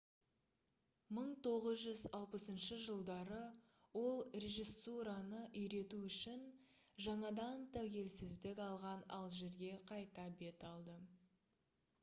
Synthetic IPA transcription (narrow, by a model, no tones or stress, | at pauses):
məɴt̪ʰo̞ʁəzʒʏzɑlˠpəsənʃəʒəlˠd̪ɑɾə | wo̞lˠre̞ʒisːuɾanəʔʏjɾe̞t̪uʏʃɪn | ʒɑɴɑd̪ɑnt̪ʰæwkʲe̞lsɪzd̪ɪkʲɑlˠʁɑnɑlˠʒe̞ɾɡʲe̞qʰɑjt̪ɑbe̞t̪ɑlˠd̪ə